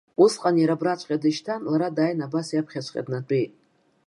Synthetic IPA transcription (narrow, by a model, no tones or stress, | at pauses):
usqʼanjaɾabɾat͡ʃʷʼqʲʼadɨʃtʰanlaɾadaːjnabasjapʰχʲat͡ʃʷʰʼqʼḛtnat͡pʼijtʼ